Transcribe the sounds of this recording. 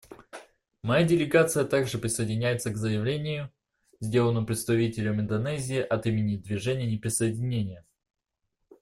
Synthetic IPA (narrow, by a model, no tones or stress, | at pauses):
mɐjadʲɪlʲɪɡat̪sɨjət̪aɡʐɨpɾʲɪsəjɪdʲɪnʲæjɪt̪səɡzəjɪvlʲenʲɪjʊ | zʲdʲe̞lˠənəmpɾʲɪt̪st̪ɐvʲitʲɪlʲəmɪnd̪ɐnɛzʲɪːʔɐt̪imʲɪnʲɪd̪vʲɪʐɛnʲɪjənʲɪpɾʲɪsəjɪdʲɪnʲenʲɪjə